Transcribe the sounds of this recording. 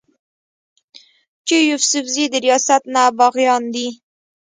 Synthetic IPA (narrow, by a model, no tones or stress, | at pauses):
t͡ʃejʊfsʊfzid̪əɾijɑsat̪nabɑɣjɑnd̪i